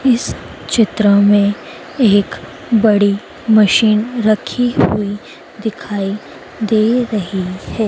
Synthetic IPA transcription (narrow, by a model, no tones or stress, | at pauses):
ɪs | t͡ʃɪt̪ɾəmẽ | eːk | bɐɽi | mɐʃiːnɾɐkʰihʊi | d̪ɪkʰaːi | d̪eːɾɐɦihɛː